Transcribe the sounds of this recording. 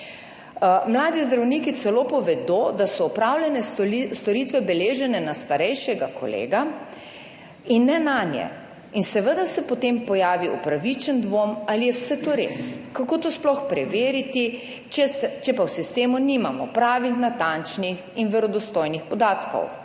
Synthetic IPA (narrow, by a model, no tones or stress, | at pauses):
mlaːd̪izd̪ɾawnikit̪sɛloːpɔʋɛd̪od̪asɔɔpɾaːwlʲjɛnɛst̪ɔɾiːt̪ʋɛbɛleːʒɛnɛnast̪aɾɛjʃɛɡakʰɔ̰lḛːɡa | inːɛnaːnjɛ̰ | insɛʋəd̪asɛpɔt̪empɔjaːʋiɔpɾaʋit͡ʃənd̪ʋomalijɛwsɛt̪oɾḛskakoːt̪oːsplɔxpɾɛʋeːɾit̪i | t͡ʃɛsɛt͡ʃɛpawsist̪eːmuniːmamɔpɾaːʋixnat̪ant͡ʃnix | inʋɛɾɔd̪ɔst̪oːjnixpɔd̪aːt̪kɔ̰w